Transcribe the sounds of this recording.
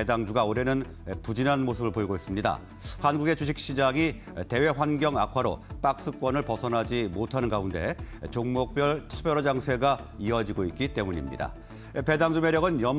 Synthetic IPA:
edaŋd͡ʑuɡaoɾe̞nɯn | epud͡ʑinanmosʰɯbɯɭpoiɡois͈ɯmɲida̰ | hanɡuɡe̞t͡ɕuɕʰik̚ɕ͈id͡ʑaŋi | te̞we̞ɸwanɡjʌŋakʰwaɾo̰p͈ak̚s͈ɯk͈wʌnɯɭpʌsʰʌnɦad͡ʑimotʰanɯnɡaunde̞̰t͡ɕoŋmok̚p͈jʌɭtʰubjʌɾod͡ʑaŋsʰe̞ɡaiʌd͡ʑiɡoit̚k͈it͈e̞muɲḭmɲḭda̰ | epe̞daŋd͡ʑumeɾjʌɡɯnjʌm

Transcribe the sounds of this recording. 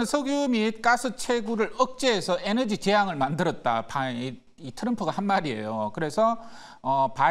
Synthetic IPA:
ɯnsʰʌɡjomit̚k͈asʰɯt͡ɕʰeɡuɾɯɭʌk̚t͡ɕ͈eːsʰʌʔenʌd͡ʑit͡ɕe̞ɦaŋɯɭmandɯɾʌt̚t͈a̰pa | itʰɯɾʌmpʰɯɡahanmaɾie̞̰jokɯɾe̞sʰʌ | ʌpa

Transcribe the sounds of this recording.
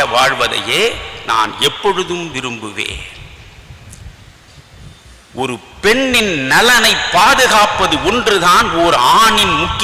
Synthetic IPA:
ɐʋaːɻʋɐðɐ̰jeːna̰ːnɛpːɔɻɯðɯmʋɪɾɯmbɯʋḛːn | ʔɔɾɯpɛɳːɪnnɐlɐnɐɪpːaːðɯɣaːpɐðɯɔndrɯðaːnɔːɾaːɳɪnmʊkːɪ

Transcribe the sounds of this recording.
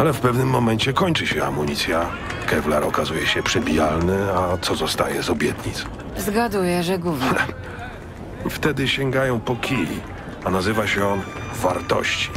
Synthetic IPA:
alɛfpɛvnɘmːɔmɛnt͡ɕɛkɔɲt͡ʂɘɕɛa̰muɲit̪sʲja | kɛvlaɾɔkazujɛɕɛpʂɛbʲijalnɘat̪sɔzɔst̪a̰jɛzɔbʲjɛt̪ɲit̪s | zɡad̪ujɛʐɛɡuvɛ | ft̪ɛd̪ɘɕɛŋɡajɔ̃w̃pɔkʲilʲḭ | anazɘvaɕɛɔn | vaɾt̪ɔ̰ɕt͡ɕi̥

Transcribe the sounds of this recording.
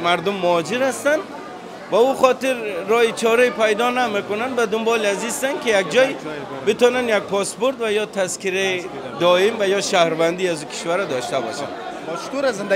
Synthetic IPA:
maɾd̪umːʊɔd͡ʒiɾhast̪and̪ | bauχɔt̪iɾːɔit͡ʃʰɔɾipajd̪ɔnamekunand̪bad̪umbɔliazist̪ankijak̚d͡ʒɔjbit̪ɔnanjaɡ̚pʰɔsbuɾt̪vajɔt̪ʰaskiɾai | d̪ɔimvajɔʃahɾvand̪iazukʰi̥ʃvaɾad̪ɔʃt̪abɔ̰ʃa̰n | ʃkuɾazind̪

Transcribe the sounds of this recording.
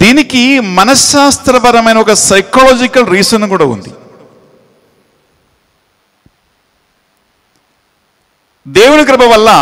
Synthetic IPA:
d̪̥iːnikːimɐnɐsaːst̪ɾɐpɐɾɐmɐjnɐokːɐsɐjkoːloːd͡ʒikːɐlɾiːsenːukuːɽɐṵnd̪i | d̪eːʋunɐk̬ɾɐbʱɐʋɐlːɐ

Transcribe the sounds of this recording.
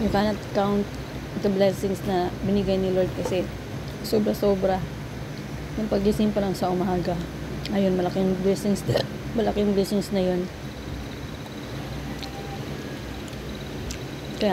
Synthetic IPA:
jʊkaːnɐt̪̚kawnt̪̚ | d̪ɐblɛsɪŋsnɐbɪnɪɡajnɪloɹd̪̚kɐsɛ | soːbɾɐsoːbɾɐ | jʊŋpɐɡhɪsɪmpɐlɐŋsɐʔʊmaːɡɐ | ʔɐjonmɐlɐkɪŋblɛsɪŋs | mɐlɐkɪŋblɪsɪnsnɐjon | kɐja

